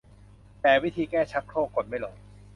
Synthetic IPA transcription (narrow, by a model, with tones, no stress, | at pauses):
t̪ɛː˨˩wi˦˥˩t̪ʰiː˧kɛː˥˩t͡ɕʰa˦˥t̪̚kʰɾoː˥˩kːo˨˩n̚ma˥˩jlɔː˨˩˦